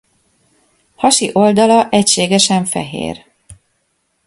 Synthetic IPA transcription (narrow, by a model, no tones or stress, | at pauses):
hɒʃiʔo̞ld̪ɒlɒʔɛcʃeːɡɛʃɛɱfɛ̰ɦḛːr